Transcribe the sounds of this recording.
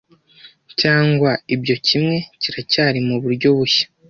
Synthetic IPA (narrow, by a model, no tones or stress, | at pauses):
caːŋɡwaibɟo̞cimŋe̞ciɾacaːɾimuβuɾɟo̞βuçḁ